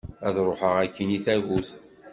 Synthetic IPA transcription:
æðɾˤoħəʁækːiniθæʝus

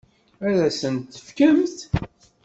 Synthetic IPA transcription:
æɾæsənt̪ːə̥fkəmθ

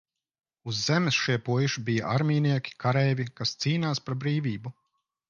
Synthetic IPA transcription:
uzːɛmɛsʃiɛpuɔjuʃibija̰ʔaɾmʲiːniɛkʲi̥kʰaɾɛːvʲikast̪siːnaːspaɾbɾiːvʲiːbu

